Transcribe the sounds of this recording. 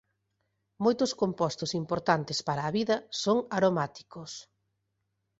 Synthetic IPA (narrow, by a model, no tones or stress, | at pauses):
mojt̪ʊskompɔst̪ʊsimpoɾt̪ant̪espaɾɐːβiðɐsoŋaɾomat̪i̥kos